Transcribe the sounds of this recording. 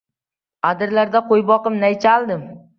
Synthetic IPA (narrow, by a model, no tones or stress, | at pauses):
ad̪ɪɾlaɾd̪aqʰojbɒqɨmnajt͡ʃʰalˠd̪ɪm